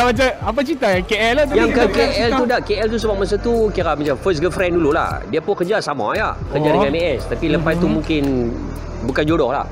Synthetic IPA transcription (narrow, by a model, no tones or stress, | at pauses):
abat͡ʃaap̬at͡ʃit̪ajakeɛlat̪jaŋkəkeɛludaʔkeʔɛlt̪us̬əbap̚mas̬at̪ukiɾamat͡ʃamfəs̬ɡəfɾɛndulula̰hdiapʊnkəd͡ʒasama̰ja̰kərd͡ʒadəŋãneɛst̪apiləpat̪t̪ːumũŋkɪn | bukand͡ʒodɔhla̰h